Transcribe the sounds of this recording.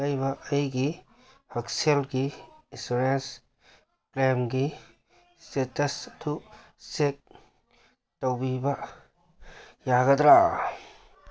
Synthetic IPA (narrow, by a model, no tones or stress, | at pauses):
ajbaɐjɡi | hɐkselɡiːsuɾens | klemɡi | stetɐst̪ʰu | sek̚ | tawbiba | jaɡad̪ɾa